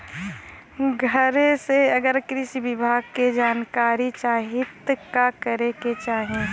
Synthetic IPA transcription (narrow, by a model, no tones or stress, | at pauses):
ɡʱəɾẽseɐɡəɾkɾɪʃiʋɪbʱaːɡ̚ked͡ʒaːnkaːɾit͡ʃaːɦɪt̪kakəɾeket͡ʃaːɦẽ